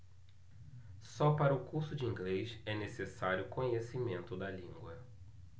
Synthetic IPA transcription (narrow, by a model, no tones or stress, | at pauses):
sɔpaɾɐʊkuɾsʊd͡ʒɪĩŋɡleʃɛnesesaɾjʊkõɲesimẽnt̪ʊd̪ɐlĩŋɡwɐ